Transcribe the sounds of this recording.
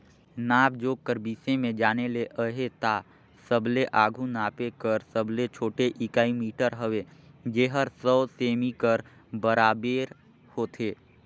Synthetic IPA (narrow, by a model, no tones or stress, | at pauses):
naːb̚d͡ʒoːkəɾbiːsẽmẽd͡ʒaːneleʔəɦet̪a | səbleʔaːɡʱunaːpekəɾsəblet͡ʃʰoːʈeʔɪkaːimiːʈəɾɦəʋe | d͡ʒeːɦəɾsəːseːmikəɾ | bəɾaːbeːɾ | hoːt̪ʰeː